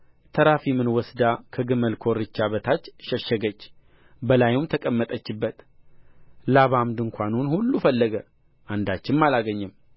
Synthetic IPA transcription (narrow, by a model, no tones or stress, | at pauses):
t̪ʰəɾafimɨnwɔsd̪akʰəɡɨməlkʰo̞ɾɨt͡ʃːaβət̪ʰat͡ʃːʃəʃːəɡət͡ʃː | bəlajumt̪ʰəkʼəmːət̪ʼət͡ʃːɪbːət̪ | laβamd̪ɨŋkʷanunhulːufəlːəɡə | ʔand̪at͡ʃːɪnmalaɡəɲːɨm